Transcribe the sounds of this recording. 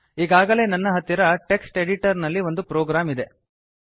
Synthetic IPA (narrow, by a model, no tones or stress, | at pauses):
iːɡaːɡɐle̞ːnɐnːɐɦɐt̪ːiɾɐʈe̞ksʈe̞ɽiʈɐɾnɐlːiʋo̞nd̪upɾoːɡɾaːmid̪e̞